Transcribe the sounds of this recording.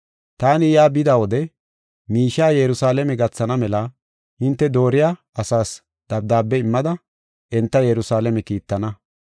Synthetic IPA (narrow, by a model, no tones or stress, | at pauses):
t̪aːnɪjaːbɪd̪aːwɔd̪ɛ | miːʃːaːjɛɾʊsaːlɛmɛɡɐt͡sːɐnɐmɛlɐ | hɪnt̪ːɛd̪o̞ːɾɪjaː | ɐsaːs | d̪̥ɐbd̪aːbːɛɪmːɐd̪ɐ | ʔɛnt̪ːɐjɛɾʊsaːlɛmɛkiːt̪ːɐnɐ